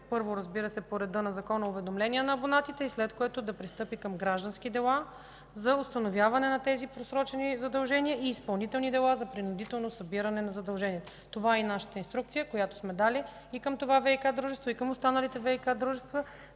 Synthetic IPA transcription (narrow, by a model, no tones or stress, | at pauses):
pɤɾvoɾɐzbiɾəsɛpoɾɛd̪ɤnɐzɐkɔnɐʊvɛd̪omlɛnijənɐːbonat̪it̪ɛislɛt̪koɛt̪ʊd̪ɐpɾist̪ɤpikəmɡɾaʒd̪ɐnsk̟id̪ɛlˠa | zɐʊst̪ɐnovʲjavɐnɛnɐt̪ɛzipɾosɾɔt͡ʃɛnizɐd̪ɐlˠʒɛniəʔiːspɐlˠnit̪ɛlˠnid̪ɛlˠazɐpɾinʊd̪it̪ɛlˠnosɐbiɾɐnɛnɐzɐd̪ɐlˠʒɛnʲiɛt̪o | t̪ovainaʃə̥t̪əinst̪ɾuk̚t̪sijəkojat̪o̥smɛd̪ali | ikəmt̪ovavɛikad̪ɾuʒɛst̪voikəmʊst̪anɐlit̪ɛvɛikad̪ɾuʒɛst̪və